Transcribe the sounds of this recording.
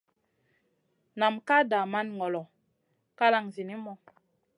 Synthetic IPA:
na˨mka˦da˨ma˦nŋɔ˨lɔ˨ | ka˦la˦ŋzi˨ni˦mɔ˨

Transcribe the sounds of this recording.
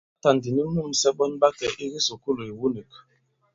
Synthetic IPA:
ta˨n˨di˨ni˦mu˦˨m̩˨sɛ˦ɓɔ˦nba˦kɛ˨ʔi˦ɣi˦so˨ku˦lo˨i˨wu˦ni˨k

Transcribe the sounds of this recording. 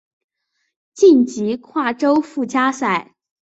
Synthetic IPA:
t͡ɕi˥˩nt͡ɕi˧˥kʰwa˥˩ʈ͡ʂo˥ʊfu˥˩t͡ɕja˥sa˨˩ɪ

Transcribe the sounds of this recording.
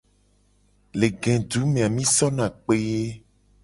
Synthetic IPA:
le˨ɡɛ̃˨ɖu˨˦mẽ˨a˨mĩ˦sɔ˦nã˨k͡pe˦

